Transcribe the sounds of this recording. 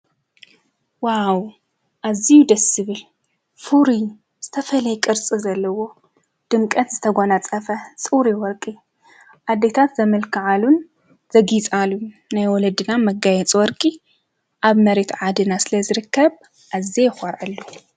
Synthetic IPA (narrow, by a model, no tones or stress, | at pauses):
waw | ʔazijud̪ɐsɨβɨl | fuɾi | z̥ɨt̪ʰɐfɐlɐjkʼɨɾt͡sʼizɐlːɐwo̞ | d̪̥ɨmkʼɐt̪zɨt̪ʰɐɡʷonat͡sʼɐfɐt͡sʼɨwɾiwɔɾkʼi | ʔad̪ːet̪ʰat̪zɐmɨlkʰɨʕalun | z̥ɐɡit͡sʼalu | najwɔlɐd̪ɨnamɐɡajɛt͡sʼwɔɾkʼi | ʔaβmɐɾe̞t̪ʕad̪ɨnasɨlɐzɨɾɨkʰːɐβ | ʔazejxʷɐɾʕalːu